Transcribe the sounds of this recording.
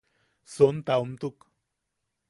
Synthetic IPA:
sont̪aumt̪uk

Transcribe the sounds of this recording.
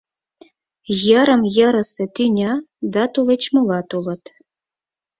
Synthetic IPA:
jə̆ɾɤ̆mjə̆ɾɤ̆sĕt̪ynʲɑ | d̪ɑt̪ulˠɤ̆t͡ɕmɤlˠɑt̪ulɤ̆t̪

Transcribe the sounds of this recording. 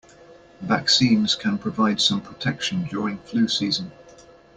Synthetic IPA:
va̰ksĩːmz̥kʰə̃npʰɹ̥əvaɪd̥sə̃mpʰɹ̥ətʰɛkʃə̃nd͡ʒɔːɹɪ̃ŋflʉːsiːzə̃n

